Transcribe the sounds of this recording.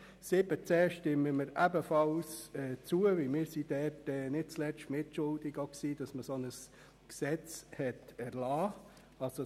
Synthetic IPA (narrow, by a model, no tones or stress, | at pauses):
sɪbət͡sɛːʃtɪməməɾæbəfɑlsɛːt͡suəʋɪlmɪːɾsid̥ɛtɛnɪt̚t͡slɛt͡ʃtmɪt̚t͡ʃʊldɪɡoksiːd̥ɑsməsonəs | ksɛt͡shɛtɛɾlaː | ɑlso